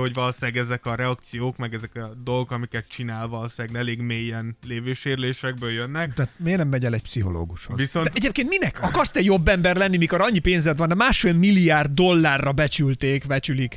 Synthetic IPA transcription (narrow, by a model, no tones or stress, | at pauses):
hoɟvɒlosaːɡɛzɛkɒɾɛɒkt̪sijoːkmɛɡɛzɛkɒd̪o̞lɡokɒmikɛt̪t͡ʃinaːlvɒlosaːɡnɛleːɡmeːjːɛnleːveːʃeːɾleːʃɛɡbøːljønːɛkt̪ɛat̪meːɡnɛmːɛɟɛlɛc̚psiɦo̞̰lo̰ːɡuʃovisonɛɛɟeːp̚keːnt̪minɛkɒkɒrst̪ɛjo̞bːɛmbɛrlɛnːimikoɾɒɲːipeːnzɛd̪ʋɒnd̪ɛmaːʃfeːlmilːiaːrd̪ːo̞lːaːrːɒbɛt͡ʃylt̪eːkbɛt͡ʃylik